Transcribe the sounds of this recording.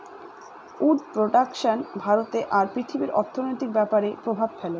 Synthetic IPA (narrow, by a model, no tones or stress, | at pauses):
uɖpɾoɖakʃanbʱaɾot̪eʔaɾpɾit̪ʰibiɾɔ̰ɾt̪ʰonojt̪ik̚bɛpaɾepɾobʱab̚fɛlo